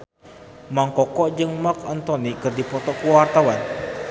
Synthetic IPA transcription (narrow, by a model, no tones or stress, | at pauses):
maŋkɔkɔʔd͡ʒɨŋmakɔnt̪ɔnikɨrdipɔt̪ɔkuwart̪awan